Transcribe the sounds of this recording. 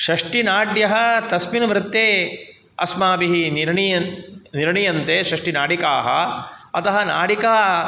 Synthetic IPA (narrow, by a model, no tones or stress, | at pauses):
ʃɐʂʈinaːɖjɐɦɐ̆t̪ɐsminmɾɪt̪ːeː | ɐ̰smaːbiɦiniɾɳjɐniɾɳijɐnt̪eːʃɾɐʂʈinaːɽikaːɦɐ̰ɐt̪ɐɦɐna̰ːɽikaː